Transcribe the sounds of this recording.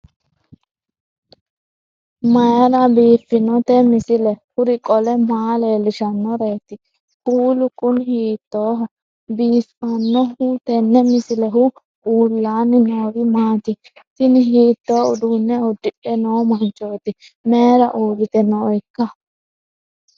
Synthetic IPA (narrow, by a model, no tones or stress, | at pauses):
mɐjɐlɐbiːfːɪnɔt̪ɛmɪsɪlɛhʊɾɪkʼɔlɛmaːleːlɪʃɐnːɔɾeːt̪ːɪ | huːlʊkʼʊnhiːt̪ːoːɦɐ | biːsɐnːɔhʊt̪ɛnːɛmɪsɪlɛɦʊ | ʔuːlːaːnːɪnoːɡɪmaːt̪ɪ | sɪnɪhiːt̪ːo̞ːʊd̪unːɛʊd̪ɪʔɛnoːmɐnt͡ʃʼːoːt̪ɪ | meːɾɐʔuːɾɪt̪ɛnːɔɔjkːɐ